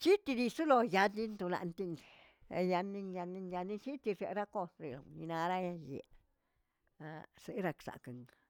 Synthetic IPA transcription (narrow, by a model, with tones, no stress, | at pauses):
t͡ʃi˦t̪i˧d̪i˧su˦lo˧ja˧d̪li˦nt̪u˧la̰˧nt̪i˧ŋ̰˧ | ja˧nːi˧ŋja˧ni˧ŋja˧ni˦t͡ʃi˦t̪i˧ʐḛ˨ɾa˦ko˧sɾe˨lo̰˨ni˧na˧ɾa˦ja˧jḛ˨˧ | a˧se˧˦ɾa˧ksa̰˨kə˨ŋ